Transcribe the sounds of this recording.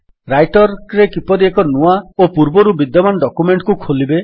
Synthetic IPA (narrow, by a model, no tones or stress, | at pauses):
ɾajʈɔɾɾekipɔɾiekɔnuaopuɾbɔɾubid̪jɔmanɔɖɔkumeɳʈkukʰolibe